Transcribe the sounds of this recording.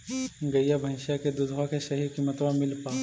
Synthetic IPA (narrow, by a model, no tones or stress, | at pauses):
ɡɐjabʱɐɪ̃ʃjaked̪ʊd̪ʋakeʃɐɦikimɐt̪ʋãmɪlpaː